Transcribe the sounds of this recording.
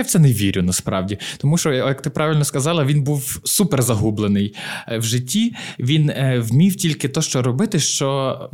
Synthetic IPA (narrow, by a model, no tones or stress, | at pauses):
wt̪sɛneʋʲiɾʲʊnɐspɾɑ̰wdʲit̪ɔmuʃt͡ʃɔjɐkt̪ɪpɾʔɑʋʲɪlʲnɔskɐzɑlˠɐʋʲinbuwsuperzɐɦublˠenɪjwʒɪtʲːiʋʲinwmʲiwtʲilʲkɪt̪ɔʃt͡ʃɔɾɔbɪt̪ɪʃt͡ʃɔ